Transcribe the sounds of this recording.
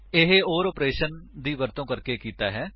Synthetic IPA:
ɪɦeoːɾɔːpɾeːʃənd̪iːʋəɾt̪õːkəɾkeːkiːt̪aːɦɛː

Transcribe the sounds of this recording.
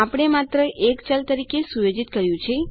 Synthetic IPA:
apɽ̃emat̪ɾəʔekt͡ʃalt̪əɾikesujod͡ʒit̪kəɾjũt͡ʃʰe

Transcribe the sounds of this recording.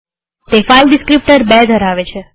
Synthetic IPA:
t̪efalɖɪskɾip̚ʈəɾbɛd̪ʱəɾaʋet͡ʃʰe

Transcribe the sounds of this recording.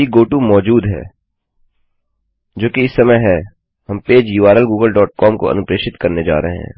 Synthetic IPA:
iɡoːʈumɔːd͡ʒuːd̪ɦɛ̰ː | d͡ʒoːkiɪsːɐməjɦɛ | ɦɐmpeːd͡ʒjuːʋaːɾəlɡuːɡəlɖɔːʈ̚kɔːmko̰ɐ̰nʊpɾeːʃɪt̪kɐɾned͡ʒa̰ːɾɐɦeɦɛ̰̃ː

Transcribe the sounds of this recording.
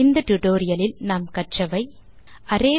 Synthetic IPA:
ɪnd̪ɐʈʊʈoːɾɪjɐlɪlnaːmkɐʈt͡ʃːɐʋɐɪ | ʔɐɾeː

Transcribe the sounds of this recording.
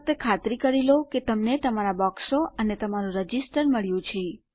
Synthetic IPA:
t̪ekʰat̪ɾikəɾiloket̪əmnet̪əmaɾabɔksoʔənet̪əmaɾũɾəd͡ʒisʈəɾməɭjũt͡ʃʰe

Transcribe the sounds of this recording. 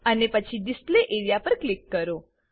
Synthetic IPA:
ənepət͡ʃʰidɪspleʔeɾijapəɾklikːəɾo

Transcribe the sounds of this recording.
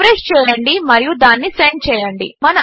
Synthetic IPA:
ɾest͡ʃɛːjɐɳɖimɐɾijud̪aːnːisent͡ʃɛːjɐɳɖimɐnɐ

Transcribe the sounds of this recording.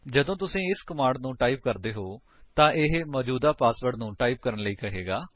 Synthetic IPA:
d͡ʒəd̪õːt̪̬ʊsĩːɪskəmaːɳɖnũːʈaːiːp̚kəɾd̪eːɦoː | t̪ãːʔɪɦmɔːd͡ʒuːd̪aːpaːsbəɖnũːʈaːiːp̚kəɾənləiːkəɦeːɡaː

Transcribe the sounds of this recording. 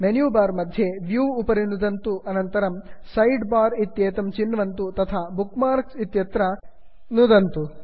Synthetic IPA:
menjuːbaːɾmɐd̪ʱjeʋjuːʋːpɐɾinud̪ɐnt̪uʔɐnɐnt̪ɐɾɐmsɐjɖbaːɾit̪jeːt̪ɐmt͡ʃinːʋɐnt̪ut̪ɐt̪ʰaːbukmaːɾksit̪jɐt̪ɾɐ | nud̪ɐnt̪u

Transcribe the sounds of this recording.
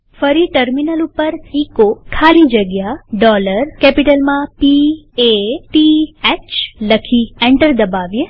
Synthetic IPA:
fəɾiʈəɾminəlupəɾikokʰalĩd͡ʒəɡjaɖɔləɾkɛpiʈəlmãpieʈiɛt͡ʃləkʰiẽɳʈəɾd̪əbaʋje

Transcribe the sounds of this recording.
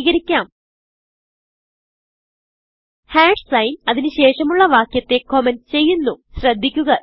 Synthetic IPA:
ɣɐɾikʲːaːm | haːɖsɐjnɐðinɨɕe̞ːʂɐmuɭːɐʋaːkjɐt̪ːe̞koment͡ɕe̞jːunːuɕrɐd̪ʱːikʲːuɣɐ

